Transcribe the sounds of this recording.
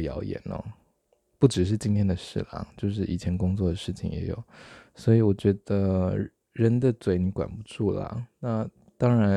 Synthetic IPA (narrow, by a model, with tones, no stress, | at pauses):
jɑ̰˧˥ʊjɛ̰˨˩nɔ̰˦ | pu˥˩ʈ͡ʂɻ̩˨˩ʂ̬ɻ̩˥˩t͡ɕi˥ŋt̪ʰjɛ˥nd̪ə˨ʂɻ̩˥˩la̰˨˧˩t͡ɕjo˥˧ʊʂ̬ɻ̩˥˩ʔi˨˩t͡ɕʰjɛ˧˥nkʊ˥ŋt͡swɔ˥˩d̪ə˩ʂɻ̩˥˩t͡ɕʰḭ˨˩ŋjɛ̰˧˥jo̰˨˩˦ʊswɔ˧˥i˨˧˥wɔ˨˩t͡ɕɥɛ˧˥d̪ə˧ | ɻə˧˥nd̪ə˨t͡swe˧˥ɪni˧˥kwa̰˨˩npu˧˥ʈ͡ʂu˥˩lə̰˩na˥˩ | t̪ɑ˥ŋɻa˧˥